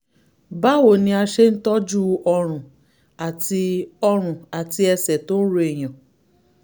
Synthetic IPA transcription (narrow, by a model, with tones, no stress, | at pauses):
ba˦wo˨nĩ˧a˧ʃe˦n̩˦tɔ˦d͡ʒu˦ɔ˧ɾ̃ũ˨ | a˨ti˧ɔ˧ɾ̃ũ˨a˨ti˧ɛ˧sɛ˨to˦n̩˦ɾo˧e˨j̃ã˨